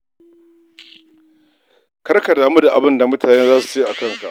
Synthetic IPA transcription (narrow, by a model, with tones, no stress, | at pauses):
kɐ˦rka˨daː˨mu˦da˨ʔa̰˨bɪ˦nda˨mʊ˦tʰaː˨neː˦zaː˦su̥˨t͡ʃe˦ʔa˨kɐ˦ŋka̰˨ʔ